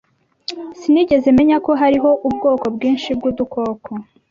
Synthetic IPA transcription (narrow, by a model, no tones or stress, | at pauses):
siniɟe̞zeme̞ɲako̞ɦaɾiɦo̞ʔubɡo̞ːko̞bɡiːnʃib̚ɡuːd̪uko̞ːkʰo